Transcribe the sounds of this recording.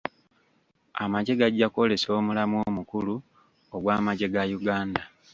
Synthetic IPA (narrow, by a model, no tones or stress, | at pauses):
amaɟe̞ɡaɟːako̞le̞so̞ːmulamuomukulu | oɡwaːmaɟe̞ɡajuɡaːnda